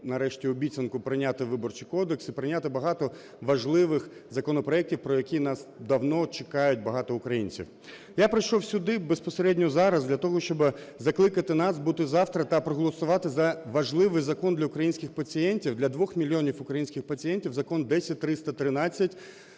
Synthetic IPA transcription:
nɐɾɛʃtʲiʊbʲitʲt͡sʲɐnkʊpɾɪnʲat̪ɪʋɪbɔrt͡ʃɪjkɔd̪eksipɾɪnʲat̪ɪbɐɦɑt̪ɔ | ʋɐʒlˠɪʋɪxzɐkɔnɔpɾɔɛk̚tʲiwpɾɔjɐkʲinɑsd̪ɐwnɔt͡ʃɪkɑjʊtʲbɐɦɑt̪ɔʊkɾɐjinʲt͡sʲḭw | japɾɪjʃɔwsʲʊd̪ɪbespɔseɾɛdʲnʲɔzɑɾɐzd̪lʲɐt̪ɔɦɔʃt͡ʃɔbɪzɐklˠɪkɐt̪ɪnɑsbut̪ɪzɑwt̪ɾɐt̪ɐpɾɔɦɔlˠɔsʊʋɑt̪ɪzɐʋɐʒlˠɪʋɪjzɐkɔnd̪lʲɐʊkɾɐjinʲsʲkʲɪxpɐt͡sʲijɛnʲtʲiwd̪lʲɐd̪ʋɔxmʲilʲijɔnʲifʊkɾɐjinsʲkʲɪxpɐt͡sʲijɛnʲtʲiwzɐkɔnd̪ɛsʲɐt̚ʲt̪ɾɪst̪ɐt̪ɾɪnɑt͡sʲːɐtʲ

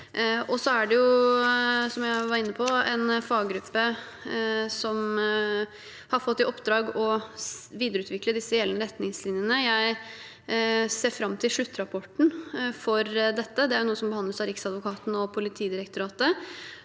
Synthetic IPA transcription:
ɔsɔæɖɛjʊ | sɔmjæɪʋɑɾɪnːəpʰɔɛnfɑɡɡɾʉpːə | sɔm | hɑɾfɔt̪ːɪɔpd̪ɾɑːɡɔ | ʋiːd̪əɾʉːt̪ʋɪkləd̪ɪsːəjɛlːənəɾɛt̪nɪŋslɪnjənəjæɪ | seːɾfɾɑmːt̪ʰɪlʂɭʉt̪ːɾɑpʰɔʈɳ̩fɔɾd̪ɛt̪ːəd̪ɛæɾjʊnuːəsɔmbəhɑnd̪əsɑɾɪksɑd̪ʋʊkʰɑːt̪nɔpʰʊlɪt̪ʰiːd̪ɪɾəkt̪ʊɾɑːt̪ə

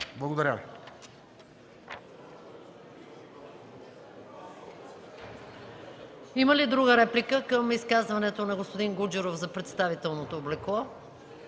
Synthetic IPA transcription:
blˠɐɡod̪ɐɾʲjavi | iməlid̪ɾuɡəɾɛplikəkəmiskazvɐnɛt̪onɐɡospod̪iŋɡud͡ʒuɾofzɐpɾɛt̪st̪avit̪ɛlˠnot̪oːblɛklˠɔ

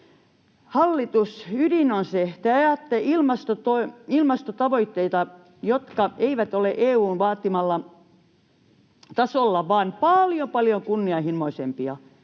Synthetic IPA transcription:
hɑlːit̪usydinonset̪æːjɑt̪ːeilmɑst̪ot̪oiilmɑst̪ot̪ɑʋoit̪ːeit̪ɑ | jot̪kɑeiʋæt̪oleʔeːuːnʋɑːt̪ːimɑlːɑ | t̪ɑsolːɑʋɑːnpɑljopɑljoŋkunːiɑihimːoisempiɑ

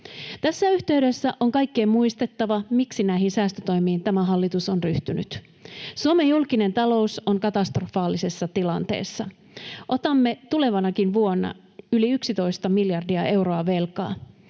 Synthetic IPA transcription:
t̪æsːæyçt̪e̞yɥde̞sːæʔoŋkɑjkːe̞ːmmuist̪e̞t̪ːɑʋɑmiksinæiɦinsæːst̪øt̪o̞jmiːnt̪æmæɦɑlːit̪usonryht̪yny̰t̪ | suome̞julkine̞nt̪ɑlo̞uso̞ŋkɑt̪ɑst̪rofɑːlːise̞sːɑt̪ilɑnt̪e̞̰ːsːɑ | ʔo̞t̪ɑmːe̞t̪ule̞ʋɑnɑkinʋuonːɑ̰ | yliyksit̪o̞jst̪ɑmiljɑrdiɑʔe̞wɾo̞ɑʋe̞lkɑ̰ː

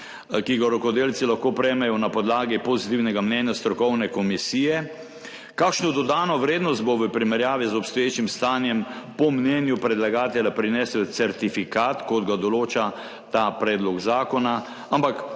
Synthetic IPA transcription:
kiɡaɾɔkɔd̪eːlsilaxkopɾɛjmɛjɔnapɔd̪laːɡipɔzit̪iwnɛɡamnɛːnjast̪ɾɔkɔwnɛkɔmisiːjɛ | kaːkʃnɔd̪ɔd̪aːnɔʋɾeːd̪nɔst̪̚boʋəpɾimɛɾjaːʋizɔpst̪ɔjeːt͡ʃimst̪aːnjɛmpɔmnɛːnjupɾɛd̪laɡaːt̪ɛlapɾinɛːsɛsɛɾt̪ifikaːt̪kɔd̪ɡad̪ɔloːt͡ʃa | t̪apɾɛːd̪lɔɡzaːkɔna | ampak

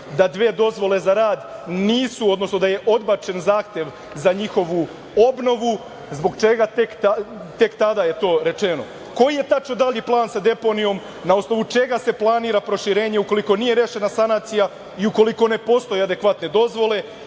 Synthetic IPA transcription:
d̪ad̪ʋeːd̪o̞zʋo̞lˠe̞zaɾaːd̪niːsuo̞d̪no̞sno̞d̪aje̞ʔo̞d̪bat͡ʃe̞nzaːxt̪je̞ʋ | zaɲixo̞ʋu | o̞bno̞ʋu | zbo̞ɡt͡ʃe̞ɡat̪ek̪at̪e̞kt̪ad̪aje̞t̪o̞ːɾe̞t͡ʃe̞no̞ | ko̞jije̞t̪at͡ʃnod̪aʎiplˠaːnsad̪e̞po̞nijo̞m | naosno̞ʋut͡ʃe̞ɡase̞plˠaniːɾapɾo̞ʃiɾe̞ːɲeuko̞liko̞nije̞ɾeʃe̞nasanaːt̪sija | iuko̞liko̞ne̞po̞st̪o̞jead̪e̞kʋat̪ne̞d̪o̞zʋo̞le̞

